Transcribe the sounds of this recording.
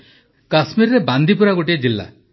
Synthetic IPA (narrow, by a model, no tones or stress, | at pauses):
kasmiɾɾeband̪ʱipuɾaɡoʈied͡ʒilːa̰